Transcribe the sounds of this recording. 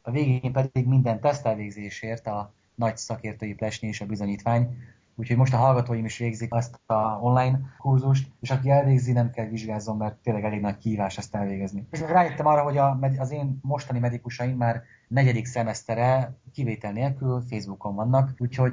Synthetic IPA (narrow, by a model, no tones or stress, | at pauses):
ɒveːɡeːmpɛd̪iɡmind̪ɛnt̪ɛst̪ɛlveːɡzeːʃeːrt̪ɒ | nɒɟsɒkeːrt̪øːjiplɛʃnieːʃɒbizo̞ɲiːt̪ʋaːɲ | uːchomo̞ʃt̪ɒɦɒlɡɒt̪oːjimiʃʋeːɡzikɛst̪ɒonlaːjnkurzuʃ̬t̪eːʃɒkiɛlveːɡzinɛmkɛlviʒɡaːzo̞mːɛrt̪ːeːnlɛɡɛleːɡnɒckiɦiːvaːʃt̪ɛst̪ɛlveːɡɛznismɛɡraːjet̪ːɛmɒrːɒɦo̞ɟɒmɛd̪ɒzeːnːo̞ʃt̪ɒnimɛd̪ikuʃɒjimːaːr | nɛɟɛd̪iksɛmɛst̪ɛɾɛkiveːt̪ɛlneːlkylfejzbuko̞ɱvɒnːɒkuːcho̞ɟ